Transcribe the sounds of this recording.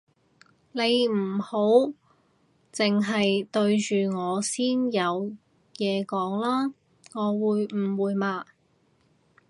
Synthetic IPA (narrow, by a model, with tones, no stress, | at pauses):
ne˨˧jm̩˨˩ho˨˥w | t͡sɪ˨ŋɦɐ˨jt̪ɵ˧ɥt͡ʃyː˨ŋɔː˨˧siː˥njɐ˨˧w | jɛː˨˧kɔː˨˥ŋlaː˥ | ŋɔː˨˧wuː˨˧jm̩˨˩wuː˨˧jmaː˧